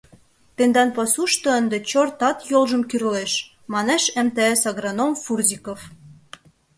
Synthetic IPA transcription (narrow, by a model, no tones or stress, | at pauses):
t̪end̪ɑnpɑsuʃt̪ŏənd̪et͡ɕort̪ɑt̪jolʒə̆mkyrleʃ | mɑneʃæ̆mt̪eesɑɣronomfurzʲikof